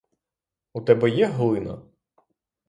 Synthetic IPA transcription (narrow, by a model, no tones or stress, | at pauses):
ut̪ɛbɛjɛɦlˠɪnɐ̰